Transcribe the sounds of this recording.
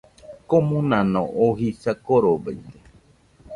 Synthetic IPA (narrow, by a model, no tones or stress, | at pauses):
komũnãnõʔoɦisakoɾobajt̪e